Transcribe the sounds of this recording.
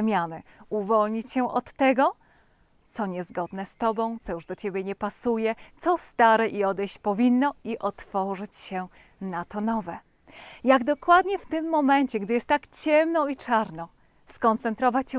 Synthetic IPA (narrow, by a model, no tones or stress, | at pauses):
mʲjanɘuvɔlɲit͡ɕɕɛʔɔt̪ːɛɡɔ | t̪sɔɲɛzɡɔd̪nɛst̪ɔbɔ̃w̃t̪sɔjuʐd̪ɔt͡ɕebʲjɛɲɛpasujɛt̪sɔst̪aɾɛʔiɔd̪ɛjɕt͡ɕpɔvʲinːɔiʔɔt̪fɔʐɘt͡ɕɕɛ | nat̪ɔnɔvɛ | jaɡd̪ɔkwad̪ɲɛft̪ɘmːɔmɛɲt͡ɕɛɡd̪ɘjɛst̪ːakt͡ɕɛmnɔit͡ʂaɾnɔ | skɔnt̪sɛnt̪ɾɔvat͡ɕɕɛ